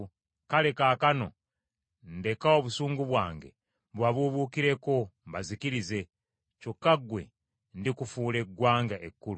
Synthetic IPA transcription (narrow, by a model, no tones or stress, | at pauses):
kale̞kaːkano̞̰ | nde̞kao̞βusuːŋɡuβwaːŋɡe̞̰ | βwaβuβukiɾe̞ko̞mbazikiɾize̞ | cokːaɡwe̞̰ | ndikufuːle̞ɡwaːŋɡaʔekːuɾu